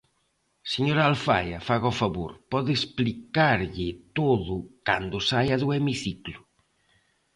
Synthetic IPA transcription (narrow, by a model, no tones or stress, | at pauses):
seɲoɾalfa̰jafaɣɔfaβuɾpɔðesplikaɾʎɪt̪oðʊkand̪ʊsajaðuemiθiklʊ